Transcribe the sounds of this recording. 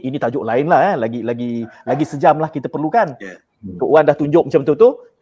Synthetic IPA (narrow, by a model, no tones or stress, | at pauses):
init̪ad͡ʒoʔlaɪnlahɛlaɡilaɡilaɡisəd͡ʒamlahkit̪apərlukan | t̪oʔwandaht̪uɲd͡ʒʊʔ̚mət͡ʃamt̪̬ut̪u